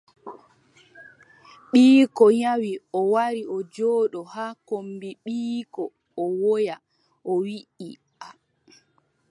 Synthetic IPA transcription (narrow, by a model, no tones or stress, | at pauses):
ɓiːkɔɲawiɔwaɾiɔd͡ʒɔːɗɔhakombiɓiːkɔː | wɔja | ʔɔwiʔḭ | a